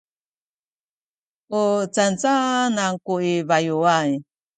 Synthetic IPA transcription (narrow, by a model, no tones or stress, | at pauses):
ot͡sant͡sanaŋkuiβajuaj